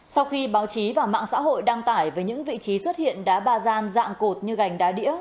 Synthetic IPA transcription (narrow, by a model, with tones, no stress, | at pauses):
sa˧wxi˧ɓaː˨˦wt͡ɕi˨˦vaː˨˩wma̰ː˧˨ŋsa̰ː˧˥ɦo̰˧˨jɗaː˧ŋt̪aː˧˩jvəː˨˦jɲɨ̰˧˥ŋvḭ˧˨t͡ɕi˨˦swə˦˥t̚hḭ˧˨ənɗaː˨˦ɓaː˧zaː˧nza̰ː˧˨ŋko˨˩t̚ɲɨ˧ɣa˨˩jŋ̟ɗaː˨˦ɗḭ˧˥ə